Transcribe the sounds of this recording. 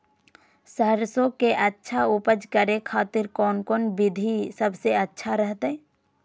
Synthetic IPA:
səɦəɾsõkeʔətːʃʰaʊpəd͡ʒkəɾekʰaːt̪ɪɾkɔːnkɔːnbɪd̪ʱisəbseətːʃʰaɾəɦt̪ɛ̃

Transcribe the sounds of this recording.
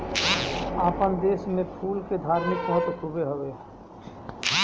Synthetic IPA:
aːpənd̪eːsmẽpʰuːlked̪ʱaːɾmɪkbɔɦt̪kʰubeɦobe

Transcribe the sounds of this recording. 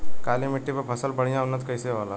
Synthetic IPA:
kaːlimɪʈːipepʰɐsəlbəɽ̤ijãʊnːət̪kəjseʋaːla

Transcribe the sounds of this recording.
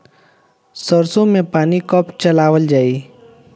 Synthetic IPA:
səɾsõmẽpaːnikɔpt͡ʃəlaːʋəld͡ʒaːiː

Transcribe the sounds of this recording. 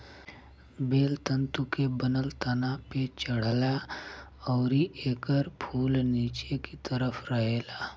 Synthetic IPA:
beːlt̪ə̃nt̪ukebənəlt̪ɐnapet͡ʃəɽ̤la | ɔːɾiʔeːkəɾpʰuːlniːt͡ʃekit̪əɾəfɾəɦeːlaː

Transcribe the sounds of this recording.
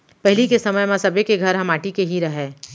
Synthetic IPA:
pɛɦɪlikesɐməjmãsɐbekeɡʱɐɾɦɐmaːʈikeɦiɾɐɦẽː

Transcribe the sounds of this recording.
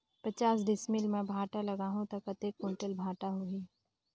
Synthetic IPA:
pɐt͡ʃaːsd̪ɪsmɪlmɛ̃bʱaːʈalɐɡaːɦũt̪ɐkɐt̪eːkːʊ̃ɳʈəlbʱaːʈaɦuɦiː

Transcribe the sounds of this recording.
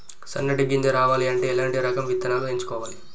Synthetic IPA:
sɐ̰nːɐʈiɡiɲd͡ʒɐɾaːʋaːliɐɳʈeːlaːɳʈiɾɐkɐmʋit̪ːɐnaːloeɲt͡ʃu̥kɔːʋaːli

